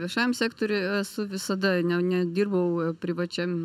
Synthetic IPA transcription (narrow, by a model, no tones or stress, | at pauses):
ʋʲiɛʃɑːjɛmsʲæːkt̪oːɾʲʊɛsʊʋʲɪsɐd̪ɐnʲɛnʲɛdʲiːrbɐʊpʲɾʲɪʋɐt͡ʃʲɛm